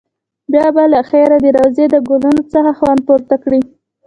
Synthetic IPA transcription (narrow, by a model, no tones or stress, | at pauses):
bjɑbalaxeɾad̪əɾawzed̪əɡolunot͡səxaxwɑnd̪̚poɾt̪akɽi